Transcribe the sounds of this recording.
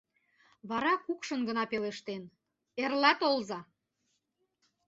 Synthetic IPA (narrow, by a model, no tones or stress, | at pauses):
βɑɾɑkukʃə̆nɡənɑpeleʃt̪en | erlɑt̪olzɑ